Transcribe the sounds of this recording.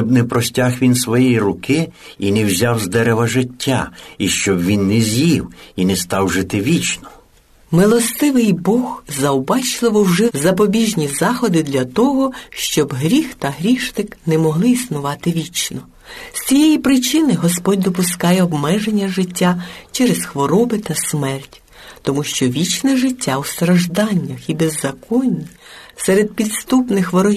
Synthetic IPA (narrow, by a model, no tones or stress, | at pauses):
t͡ʃɔbnɛpɾɔsʲtʲaxʋʲinsʋɔjɛjiɾʊkɪ | inɛwzʲawzd̪ɛɾeʋɐʒɪtʲːa̰iʃt͡ʃɔbʋʲinːɛzʲjiwinɛst̪ɑwʒɪt̪ɪʋʲit͡ʃnɔ | mɪlˠɔst̪ɪʋɪjbɔxzɐwbɑt͡ʃlˠɪʋɔwʒɛzɐpɔbʲiʒnʲizɑxɔd̪ɪd̪lʲɐt̪ɔɦɔʃt͡ʃɔbɦɾʲixt̪ɐɦɾʲiʃnɪknɛmɔɦlˠɪisnʊʋɑt̪ɪʋʲit͡ʃnɔ | st͡sʲijejipɾɪt͡ʃɪnɪɦɔspɔd̚ʲd̪ɔpʊskɑjɛɔbmɛʒenʲːɐʒɪtʲːat͡ʃɛɾesxʋɔɾɔbɪt̪ɐsmɛrtʲ | t̪ɔmuʃt͡ʃɔʋʲit͡ʃnɛʒɪtʲːawst̪ɾɐʒd̪ɑnʲːɐxibezːɐkɔnʲisɛɾed̪̚pʲid̪st̪upnɪxʋɔɾɔ